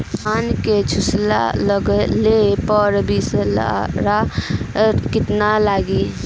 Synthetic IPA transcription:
aːnket͡ʃʰusla̰ləɡlepəɾbʱisla̰ɾa | kɪt̪nalaːɡi

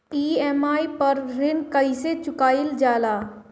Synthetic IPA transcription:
iːɛmaːipəɾɾɪnkəɪset͡ʃʊkaːɪld͡ʒaːlaː

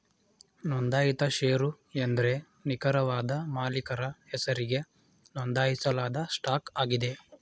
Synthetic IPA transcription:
nond̪aːjit̪ɐʃeːɾu | end̪ɐɾe̞ | nikɐɾɐʋaːd̪ɐmaːlikɐɾɐhɛsɐɾiɡe̞ | nɔnd̪aːjisɐlaːd̪ɐsʈaːkaːɡid̪e̞

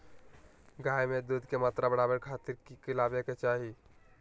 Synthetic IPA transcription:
ɡajmed̪ud̪ʱkemaːt̪ɾabəɽ̃abəɾkʰat̪iɾkikɪlabjəket͡ʃaɦi

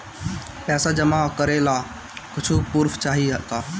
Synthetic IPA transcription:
pɛːsad͡ʒəmaɦkəɾela | kʊt͡ʃʰupuɾfʰt͡ʃaːɦiɦək̪a

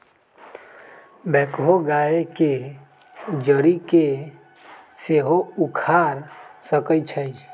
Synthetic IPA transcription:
bɛkɦoɡaeke | d͡ʒəɾike | seɦoukʰaɾsəkət͡ʃʰəjd͡ʒ

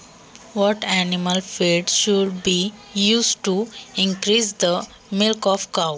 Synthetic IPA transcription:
ʋɔʈæniməlfeɖʃuɖbiːjuːsɖʈuɪ̃ŋkɾiːsd̪ə | mɪlkɔfkaʊ

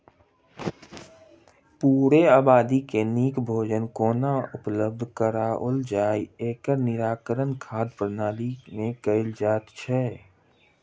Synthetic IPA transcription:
puːɾeaːbaːd̪ikeniːkbʱoːd͡ʒənkoːnaʊpləb̚d̪ʱkəɾaold͡ʒaːieːkəɾnɪɾaːkəɾənkʰaːd̪pɾnaːlimẽkəɪld͡ʒaːt̪t͡ʃʰɛ

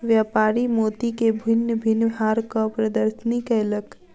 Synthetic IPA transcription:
ʋjaːpaːɾimoːt̪ikebʱɪnːəbʱɪnːbɦaːɾkɔpɾəd̪əɾsənikəjlək

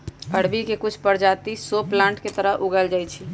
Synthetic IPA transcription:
əɽ̤bikekʊt͡ʃʰpəɾd͡ʒaːt̪isoplãːɳʈket̪əɾəɦʔʊɡəld͡ʒaːit͡ʃʰi

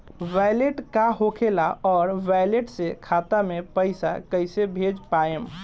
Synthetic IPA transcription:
ʋajleʈkaɦokʰelaɔːɾʋajleʈsekʰat̪amepəɪsa̰kəɪsebʱed͡ʒpaem

